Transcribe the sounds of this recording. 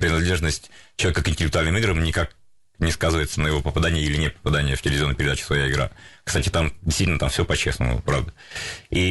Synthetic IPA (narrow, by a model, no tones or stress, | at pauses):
pɾʲɪnɐd̪lʲe̞ʐnəsʲtʲt͡ɕɪlˠɐvʲekəkɪnʲtʲɪlʲɪk̚t̪ʊalʲnɨmɨiɡɾəmnʲɪkak | nʲɪskazɨvəjɪt̪sənəjɪvo̞pəpɐd̪anʲɪjəilʲɪnʲepə̥pɐd̪anʲɪjəftʲɪlɪvʲɪzʲonːəpʲɪɾʲɪd̪at͡ɕɪ̥svɐjaɪɡɾa̰kst̪atʲɪt̪amdʲɪst̪itʲɪlnət̪amfsʲopɐt͡ɕesnʊ̰pɾavd̪əi